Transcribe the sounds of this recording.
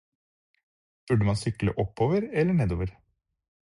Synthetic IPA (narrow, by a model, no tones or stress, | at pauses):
b̥ʉɖəmɑnsʏklə̰ʔɔpːoːʋəɾɛlːəɳeːd̪oːʋəɾ